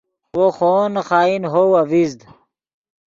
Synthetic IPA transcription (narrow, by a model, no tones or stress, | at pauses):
woxonxaːinɦowɐvizd̪